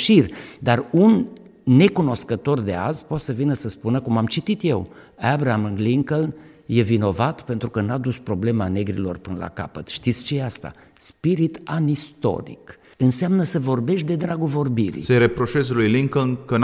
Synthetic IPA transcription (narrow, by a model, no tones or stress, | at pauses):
ʃird̪arunː | e̞kuno̞skət̪o̞rd̪e̞a̰zpot̪səvinəsəspunəkumamt͡ʃit̪it̪je̞w | abɾamɨnliŋkəln | je̞vino̞vat̪pe̞nt̪ɾukənad̪uspɾo̞ble̞mane̞ɡɾḭlo̞̰rpɨnəla̰ka̰pət̪ʃt̪it̪sʲt͡ʃejeast̪a̰ | spiɾit̪anist̪o̞̰ɾḭk | ɨnseamnəsəvo̞rbe̞ʃt̪d̪e̞d̪ɾaɡovo̞rbiɾḭseɾepɾo̞ʃezlujliŋkəlnkən